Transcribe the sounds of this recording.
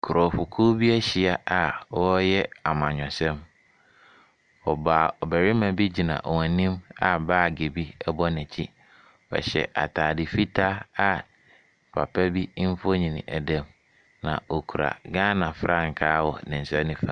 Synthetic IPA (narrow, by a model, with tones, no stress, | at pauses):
kʰu˨ɾɔ˨fʊ˨kʰu˦bi˦ɛ˦ɕi˨a˦a˨˦ɔ˦jɛ˦a˨mã˨ɲᶣɔ̃˨sɛ̃˦m | ɔ˨baː˨ɔ˨bæ˨ɾi˦mã˨bi˦d͡ʑi˨nã̰˨ʔwã˨nĩ˦ma˨baː˦˨ɡe˨bi˦ɛ˦bɔ˦nɪ̃˨t͡ɕʰi˦ | wɛ̰˨ɕɛ̰˨ʔa̰˨tʰaː˨dɪ˨fi˦tʰa˦a˨ | pʰa̰˨pʰɛ˦bi˦m̩˦fo˦ɲĩ˨nɪ̰̃˨ʔæ˨dɛ̃˦m | nã̰˨o˨kʰu˨ɾa̰˨ɡãː˦nã˨fɾʔa˦˨ŋ̩˨kʰaː˦wɔ̰˨nɪ̃˨n̩˨sɛ˦nɪ̃˦fã̰˨˦